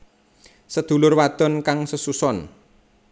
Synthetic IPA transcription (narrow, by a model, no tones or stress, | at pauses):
səd̪̥ṳlʊrwad̪̥ɔ̤nkaŋsəsusɔn